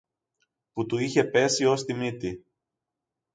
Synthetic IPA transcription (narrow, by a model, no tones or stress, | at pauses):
put̪uiçe̞pe̞sio̞st̪imit̪i